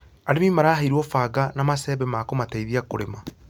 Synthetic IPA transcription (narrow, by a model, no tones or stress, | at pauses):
aɾemimaɾaːhaiɾwɔfaɡanamasɛːbɛmakomataiðiakoɾema